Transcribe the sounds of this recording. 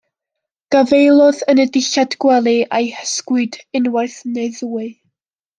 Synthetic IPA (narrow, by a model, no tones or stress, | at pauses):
ɡ̥avejlˠɔðənədɪʃadɡ̥wɛlˠiʔajhəskwɨdɪnwarθnejðuːɨ